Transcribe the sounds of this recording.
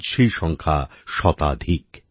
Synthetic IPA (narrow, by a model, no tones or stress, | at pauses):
ʃijʃɔŋkʰa̰ʃɔt̪a̰d̪ʱik